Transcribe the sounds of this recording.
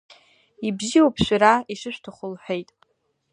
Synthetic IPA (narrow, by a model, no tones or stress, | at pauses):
ibziowpʰʃʷᶣaɾaiʃɨʃʷᶣtʰaχʷʊlħʷᶣe̞jtʼ